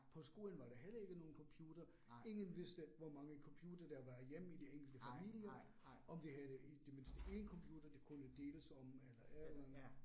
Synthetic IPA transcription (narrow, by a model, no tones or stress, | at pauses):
pʰɒ̽sɡ̥o̝ːlən̩ʋɑ̈ɾ̥eɦelɐe̝ɡ̥əno̝ːn̩kʰɒ̽mpʰjuːd̥ɐ | e̝ŋənʋe̝sd̥əʋɒmɑ̈ŋəkʰɒ̽mpʰjṵːd̥ɐd̥ɑʋæɐðˠjem̰id̥ieŋ̰ɡ̥l̩d̥əfæmil̰jɐ | ɒ̽md̥eɦæðˠəid̥e̝me̝nsd̥əʔe̝nkʰɒ̽mpʰjuːd̥ɐd̥ekʰunəd̥e̝̰ːləsɒ̽melɐʔæðˠæn